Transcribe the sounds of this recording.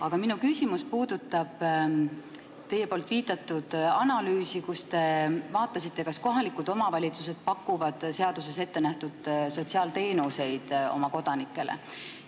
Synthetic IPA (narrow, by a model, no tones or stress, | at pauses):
ɑɡ̥ɑminukysimuspuːd̪̥ut̪ˑːɑb̥ | t̪e̞je̞po̞ːlt̪ˑviːt̪ˑɑt̪ːˑud̪̥ɑnɑlyːsikust̪e̞vɑːt̪ːˑɑsit̪ːe̞kɑsko̞ɦɑlikˑud̪̥o̞mɑvɑlʲit̪suse̞d̪̥̚pɑkːˑuvɑd̪̥se̞ɑd̪̥use̞se̞t̪ːe̞næht̪ud̪̥so̞t̪siɑːlt̪e̞ːnuse̞jd̪̥o̞̰mɑko̞d̪̥ɑnikːˑe̞lḛ